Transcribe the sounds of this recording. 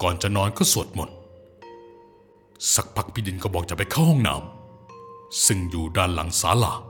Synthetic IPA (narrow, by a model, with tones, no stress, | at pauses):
kɔː˨˩nt͡ɕa˨˩nɔː˧nkɔː˥˩su˨˩ət̪̚mo̰˨˩t̪̚ | sa˨˩k̚pʰa˧˩k̚pʰiː˧˩di˧˩nkɔː˥˩bɔː˨˩k̚t͡ɕa˨˩pa˧˦jkʰa˥˩whɔ˥˩ŋna̰ː˧˦m | sɯ˧˩ŋjuː˨˩daː˧˩˨nla̰˨˩˦ŋsaː˨˦la̰ː˨˩˦